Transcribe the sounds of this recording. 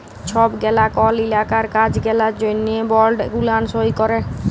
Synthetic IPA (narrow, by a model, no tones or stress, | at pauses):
t͡ʃʰɔbɡɛlakɔlilakaɾkad͡ʒɡɛlad͡ʒoniebɔɾlɖɡulansojkɔɾe